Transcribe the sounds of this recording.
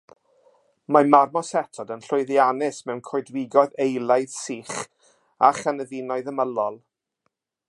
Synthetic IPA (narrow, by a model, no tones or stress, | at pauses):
mamarmɔsɛtʰɔdənɬʊɨðjanɪsmɛwnkʰɔɨdwɪɡɔðejlˠaɨðsiːχ | aχanəvɪnɔɨðəməlɔlˠ